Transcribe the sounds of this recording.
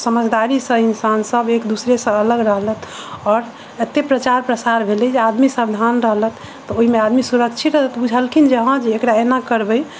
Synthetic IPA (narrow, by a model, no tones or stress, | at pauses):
səməd͡ʒd̪aɾisə̃insansəbekd̪usɾesə̃ələɡɾəɦlət̪ʰɔːɾ | et̪ːepɾət͡ʃaɾpɾəsaɾbʱelɛd͡ʒead̪misabd̪ʱanɾəɦlət̪ːɔoɦimead̪misuɾəkt͡ʃʰit̪ɾəɦt̪bud͡ʒʱəlkʰind͡ʒəɦə̃d͡ʒeːkɾaenakəɾbəj